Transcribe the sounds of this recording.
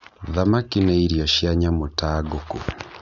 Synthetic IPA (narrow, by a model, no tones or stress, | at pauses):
ðamakinɛiɾjaʃiaɲamotaɡoku